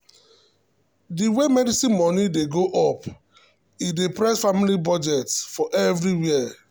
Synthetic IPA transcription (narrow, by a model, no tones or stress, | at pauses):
diwɛmɛdisĩnmɔnideɡoʔɔp | idepɾɛsfamilibɔd͡ʒɛtfɔʔɛvɾiwiə